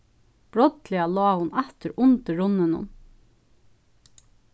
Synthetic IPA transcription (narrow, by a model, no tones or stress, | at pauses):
b̥ɾɔt̪lɪaloːhʊnɛt̪əɾʊnt̪əɹʊnːənʊ̰n